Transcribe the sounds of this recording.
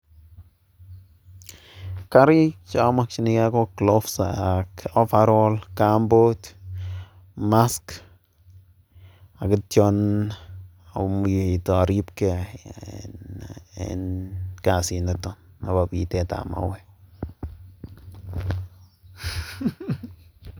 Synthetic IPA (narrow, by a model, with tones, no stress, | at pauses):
ka˦ɾi˦kt͡ʃamakt͡ʃi˦ni˦ka˦ko˦klo˦fsa̰ako˦fa˦ɾɔlkambot | ma˦sk | a˨kɪ˦tjɔn | a˨mujto˨ɾi˦pke˨ | ḛnka˨si˨na˨tɔ˨na˨βa˨pi˨tɛ˨ta̰˨ma̰wɛ